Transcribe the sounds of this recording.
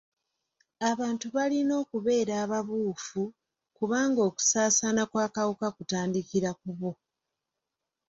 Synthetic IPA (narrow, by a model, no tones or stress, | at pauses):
aβaːntuβalino̞ːkuβe̞ːɾaːβaβuːfu | kuβaːŋɡo̞ːku̥saːsanakwaːkawukakutaːndikiɾakuβo̞